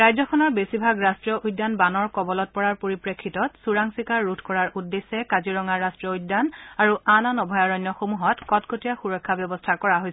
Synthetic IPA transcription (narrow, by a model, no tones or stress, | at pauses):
ɹajzɔkʰɔnɔɹbesibʱaɡɹastɹijɔʔujdːanbanɔɹkɔbɔlɔt̚pɔɹaɹpoɹipɹekʰːitɔtsuɹaŋsikaɹːutʰkɔɹaɹʔudːesːɛkaziɹɔŋaːastɹijɔudːanaɹuananɔbʱɔjaɹɔjnːɔxomuɦɔtkɔtkʰotijaxuɹɔkʰːabjɔbɔstʰakɔɹaɦoj